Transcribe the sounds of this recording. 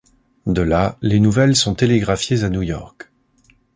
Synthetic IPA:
d̪əlalenuvɛlsɔ̃t̪eleɡʁafjezanujɔ̰ʁk

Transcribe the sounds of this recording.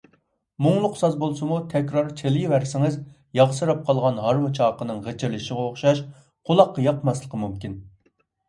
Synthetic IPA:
muŋlˠʊqsɑzbolˠsɨmut̪ʰɛkʲɾɑɾt͡ʃʰelɪjivæɾsɪŋɨz | jɑʁsɨɾɑp̚qʰɑlˠʁɑnɦɑɾmɨt͡ʃʰɑːqənɨŋʁet͡ʃʰɪɾlɪʃɪʁɛoχʃɑʃ | qʰolˠɑqːɑjɑqmɑslˠəqʰəmumkʲin

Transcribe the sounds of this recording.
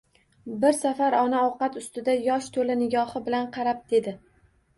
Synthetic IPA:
bɪɾsafaɾɒnaɒwqɑt̪ʊst̪ɪd̪ajɒʃt̪ʰolɪnɪɡʲɒhɪbɪlanqʰɑɾap̚d̪̥e̞d̪ɪ

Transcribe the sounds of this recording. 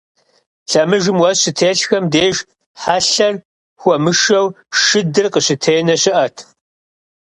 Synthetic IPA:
ɬɐmɨʒɪmwɐzɕɪtʰeːɬxɐmdeːʒ | ħaɬɐr | xʷɔmɨʃɐw | ʃɨdɨrqəɕɪtʰeːnɐɕɪʔɐtʰ

